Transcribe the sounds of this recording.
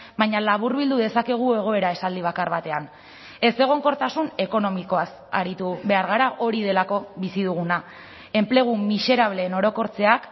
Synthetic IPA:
bajɲalaβ̞uɾβild̪uðe̞sake̞ɣ̞ue̞ɣ̞o̞e̞ɾae̞sald̪iβ̞akarβat̪e̞an | e̞se̞ɣ̞o̞ŋko̞ɾt̪asune̞ko̞no̞miko̞as | a̰ɾit̪uβe̞aɾɣaɾaʔo̞ɾið̞e̞lako̞βisiðuɣ̞una | e̞mple̞ɣ̞umise̞ɾaβ̞le̞ːno̞ɾo̞ko̞ɾt͡se̞ak

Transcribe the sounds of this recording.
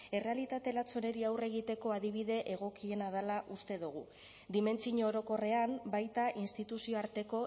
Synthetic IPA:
e̞re̞alit̪at̪e̞lat͡so̞ne̞ɾiawre̞ɣ̞it̪e̞ko̞aðiβ̞iðe̞ʔeɣ̞o̞kie̞nað̞alaʔust̪e̞ðuɣ̞u | d̪ime̞nt͡siɲooɾo̞ko̞re̞ambajt̪aʔinst̪it̪usio̞aɾt̪e̞ko̞

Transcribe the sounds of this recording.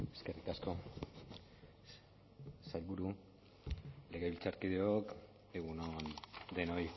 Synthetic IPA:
e̞̥ske̞rit̪asko̞ | salβuɾu | le̞ɣeβilt͡saɾkið̞eok | eɣunond̪e̞noj

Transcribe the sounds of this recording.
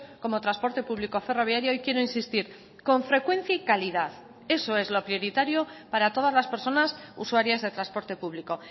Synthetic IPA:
ko̞mo̞t̪ɾaspo̞ɾt̪e̞puβliko̞fe̞ro̞βjaɾjoojkje̞ɾo̞insist̪iɾ | ko̞ɱfɾe̞kwẽ̞n̟θjaikaliðaθ | e̞so̞e̞zlo̞pɾio̞ɾit̪aɾjo̞paɾat̪o̞ð̞azlaspe̞ɾso̞nasṵswaɾjazðe̞t̪ɾaspo̞ɾt̪e̞puβliko̞

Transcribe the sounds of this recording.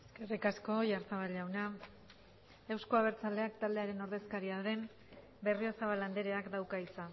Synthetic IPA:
eske̞rikasko̞ʝaɾt̪aβalawna | e̞wsko̞aβ̞e̞ɾt͡sald̪e̞akt̪ald̪e̞aɾe̞no̞ɾðe̞skaɾiaðe̞m | be̞riosaβaland̪eɾe̞akd̪awkait͡sa

